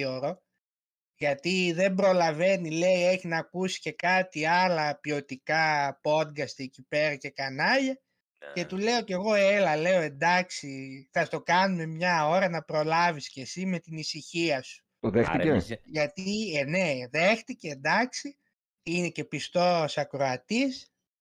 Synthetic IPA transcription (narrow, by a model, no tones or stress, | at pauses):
oɾo̞ | ʝɐt̪iðe̞mbɾo̞lɐve̞nile̞ie̞çinɐːkusi̥ce̞kɐt̪iɐlɐpio̞t̪ikɐpo̞t̪ɡɐst̪icipe̞ɾɐce̞kɐnɐʎɐ | ce̞t̪ule̞o̞ce̞ɣo̞elɐle̞o̞e̞nd̪ɐksiθɐst̪o̞kɐnume̞mɲɐo̞ɾɐnɐpɾo̞lɐvisce̞sime̞t̪inisiçiɐsu̥ | t̪oðextieʝɐt̪ieneðe̞xt̪iceːnd̪ɐksi | inece̞pist̪o̞sɐkɾo̞ɐt̪is